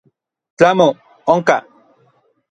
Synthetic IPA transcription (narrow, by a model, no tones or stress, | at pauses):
t͡ɬamo | oŋka